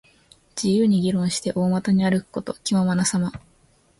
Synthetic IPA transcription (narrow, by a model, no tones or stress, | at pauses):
d͡ʑijɯ̟ːɲ̟iɡʲiɾõ̞ɰ̃ɕi̥t̪e̞ʔo̞ːmat̪aɲ̟iaɾɯ̟kɯ̥ko̞t̪o̞kʲimaomanasama